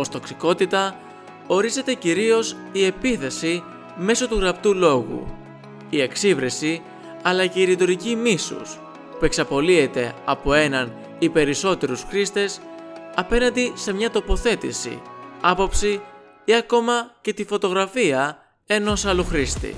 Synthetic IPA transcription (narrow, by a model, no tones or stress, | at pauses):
o̞st̪o̞ksiko̞t̪it̪ɐ | o̞ɾize̞t̪e̞ciɾio̞s | ie̞piθe̞si | me̞so̞t̪uɣɾɐpt̪ulo̞ɣṵ | ie̞ksivɾesi | ɐlɐce̞iɾit̪oɾicimisṵs | pue̞ksɐpo̞lie̞t̪e̞ɐpo̞e̞nɐn | ipe̞ɾiso̞t̪e̞ɾusxɾist̪e̞sɐpe̞nɐnd̪ise̞mɲɐt̪o̞po̞θe̞t̪ḭsḭɐpo̞psi | iɐko̞mɐce̞t̪ifo̞t̪o̞ɣɾɐfiɐ | e̞no̞sɐluxɾist̪ḭ